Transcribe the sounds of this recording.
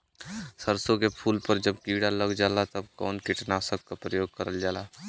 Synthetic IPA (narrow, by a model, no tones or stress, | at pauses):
səɾsõkepʰuːlpəɾd͡ʒəbkiːɽaləɡd͡ʒaːlat̪ɐbkɔ̰ːnkɪʈnasək̚kapɾəjoːɡ̚kəɾəld͡ʒaːlaː